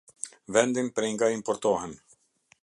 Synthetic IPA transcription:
vɛnd̪inpɾɛiŋɡaimpɔɾt̪ɔɦɛn

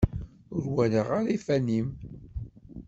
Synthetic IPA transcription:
ʊɾwæləʁaɾifænim

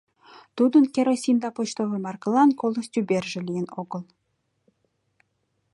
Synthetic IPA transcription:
t̪ud̪ə̆nkʲeɾosʲind̪ɑpot͡ɕt̪ovəmɑrklˠɑnkolˠosʲt̪ʲybʲerʒɘ̆lʲijənoɡə̆lˠ

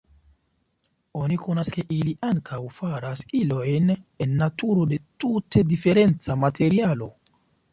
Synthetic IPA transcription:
oniko̞naske̞ʔiliʔaŋkʰawfaɾaskilo̞jnenːatuɾo̞de̞tutʰe̞dife̞ɾe̞nt͡samatʰe̞ɾialo̞

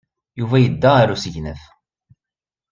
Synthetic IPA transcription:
juvæjəd̪ːæaɾusəʝnəθ

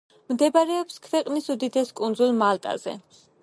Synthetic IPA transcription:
md̪ɛbaɾɛɔpskʰvɛqʼnisud̪id̪ɛskʼund̪zulˠmalˠt̪ʼa̰zɛ̰

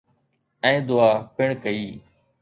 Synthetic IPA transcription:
ɛ̃ːd̪ʊaːpɪɳkəiː

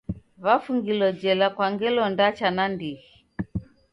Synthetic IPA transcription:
βafuŋɡilɔd͡ʒɛlakwaŋɡɛlɔndat͡ʃanandihi

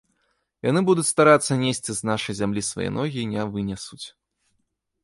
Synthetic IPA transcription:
ja̰nɨbud̪ut͡sʲst̪aɾat̪sːɐnʲesʲt͡sʲiznaʂɐjzʲamlʲisva̰jɛ̰nɔɣʲinʲɛvɨnʲɛsut͡sʲ

